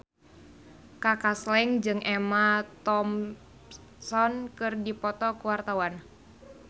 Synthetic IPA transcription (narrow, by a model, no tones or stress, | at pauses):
kakaslɛŋd͡ʒɨŋʔɛmat̪ɔm | sɔnkɨrdipɔt̪ɔkuwart̪awan